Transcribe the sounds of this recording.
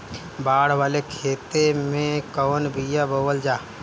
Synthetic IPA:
baːɽ̤waːlekʰeːt̪emẽkɔːnbʱijabəwəld͡ʒaː

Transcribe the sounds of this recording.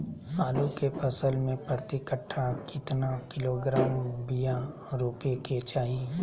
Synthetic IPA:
maːlukepəsəlmẽpɾət̪ɪkəʈʰːakɪt̪nakɪloːɡɾaːmbija | ɾupeket͡ʃaːɦie

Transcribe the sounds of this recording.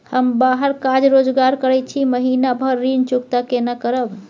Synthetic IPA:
həmbaɦəɾkad͡ʒɾod͡ʒɡaɾkəɾɛt͡ʃʰiməɦinabʱəɾːint͡ʃukt̪akenakəɾəb

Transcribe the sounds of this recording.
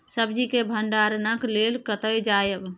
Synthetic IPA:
səbd͡ʒikebʱəɳɖaɾnəklelkət̪əjd͡ʒajəb

